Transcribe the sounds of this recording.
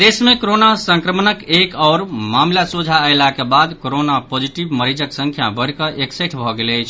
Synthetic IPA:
d̪esmekoɾonasə̃ŋkɾəmnəkekɔʊɾmamlasud͡ʒʱaəɪlakebad̪koɾonapod͡ʒiʈibməɾid͡ʒəksə̃ŋkʰja̰bəɽkəʔekseʈʰbʱɔɡeləjt͡ʃʰ

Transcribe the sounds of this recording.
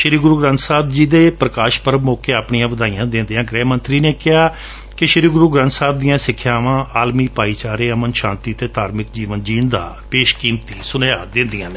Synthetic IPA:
ʃɪɾiːɡɾuːɡɾə̃nt̪saːb̚d͡ʒiːd̪eːpɾəkaːʃpəɾmoːkeːaːpɳijãːʋəd̪aːijãːd̪ẽːnd̪eːãːɡɾɛːmənt̪ɾiːneːkɪɦaː | kɪʃɪɾiːɡɾuːɡɾə̃nt̪saːb̚d̪ɪjãːsɪkʰːjaːʋãːʔaːlmiːpaːiːt͡ʃaːɾeːəmənʃãːnt̪iːt̪eːt̪aːɾmɪkd͡ʒiːʋənd͡ʒiːɳd̪a̰ː | peːʃkiːmt̪iːsʊneːaːd̪ɪ̃ːnd̪ijãːnː

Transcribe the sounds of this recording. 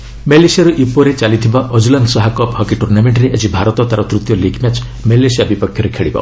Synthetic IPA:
melesijaɾuʔipɔɾet͡ʃalit̪ʰibaʔɔd͡ʒulandsɔɦakɔphɔkiʈuɾnameɳʈɾeʔed͡ʒibʱaɾɔt̪ɔt̪aɾɔt̪ɾut̪jɔlikʰmjat͡ʃ | melesijabipɔkʰjɔɾekʰeɭibɔ̰

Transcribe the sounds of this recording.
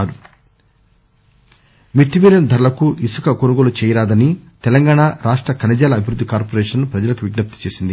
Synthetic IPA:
ɾu | mit̪ːiʋiːɾɐnd̪ʱɐɾulɐkuʔisukɐkonuɡolut͡ʃɛːjɐɾaːd̪ɐnit̪ɛlɐŋɡaːɳaɾaːʂʈɾɐkɐnɐd͡ʒaːlɐːbʱiɾud̪ːikaːɾpoɾeɛːʂɐnːupɾɐd͡ʒɐlɐkuʋiɡnɐp̚t̪i̥t͡ʃeːsind̪i

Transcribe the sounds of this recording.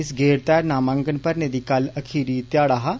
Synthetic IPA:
ɪsɡeːɾt̪ɛːɾnaːmãːŋɡənpəɾned̪iːkɐlɐkʰiːɾit̪jaːɽaːɦaː

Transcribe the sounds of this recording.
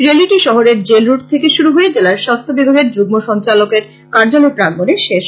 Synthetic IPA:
ɾeliʈiʃɔɦoɾeɾd͡ʑelɾuʈ̚t̪ʰekeʃuɾuɦoed͡ʑelaɾʃast̪ʰobibʱaɡeɾd͡ʑuɡ̚moʃɔnt͡ɕalokeɾ | kaɾd͡ʑolopɾaŋɡoneʃeʃ

